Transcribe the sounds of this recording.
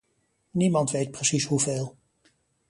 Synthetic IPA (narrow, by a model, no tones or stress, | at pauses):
nimɑntʋejt̚prəsisɦuveːlˠ